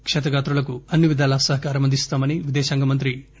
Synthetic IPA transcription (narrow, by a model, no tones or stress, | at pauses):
kʂɛt̪ɐɡaːt̪ɾulɐkuɐnːiʋid̪aːlɐsɐɦɐkaːɾɐmɐnd̪ʱist̪aːmɐniʋid̪ɛːsɐːŋɡɐmɐnt̪ɾi